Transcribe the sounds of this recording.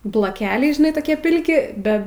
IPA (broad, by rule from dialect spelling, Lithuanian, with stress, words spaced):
blˠoːˈkʲæːlʲɛɪ ʒʲɪˈnɐɪ toːˈkʲiɛ ˈpʲɪlʲkʲɪ ˈbʲɛ